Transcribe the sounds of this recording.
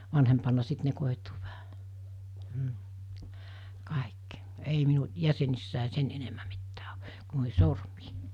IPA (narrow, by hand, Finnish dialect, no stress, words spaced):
ʋɑnhempɑnːɑ sit ne koˑituː ʋæhæ m̩ kɑˑekːi ei minu jæsenisːæˑe sen enemːæ mitːæː o ku noˑihi̥ sormiː